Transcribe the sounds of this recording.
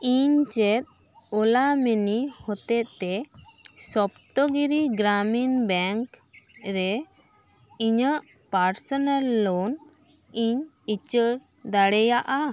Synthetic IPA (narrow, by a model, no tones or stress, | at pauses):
iɲt͡ʃɛt̪̚ | ɔlamɛnihɔt̪ɛt̪̚t̪ɛ | sɔpt̪ɔɡiɾiɡɾaminbɛŋkɾɛ | iɲəʔ | paɾsɔnalːon | iɲ | it͡ʃəɽ | d̪aɽɛjaʔa